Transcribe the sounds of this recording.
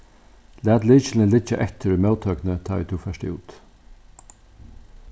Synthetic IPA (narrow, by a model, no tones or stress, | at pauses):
læːt̪liːt͡ʃl̩əlɪt͡ʃə̰ʔɛt̪ʰəɾmɑʊt̪ʰœːknət̪ʰɑːḭt̪ʰuːfœʃtɪ̰ṵːt̪